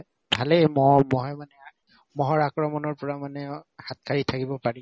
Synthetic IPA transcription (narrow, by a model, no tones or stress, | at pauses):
bʱalɛmɔmɔɦɛmanɛ | mɔɦɔɹakɹɔmɔnɔɹpɔɹamanɛhat̚kʰaɹitʰakibɔpaɹi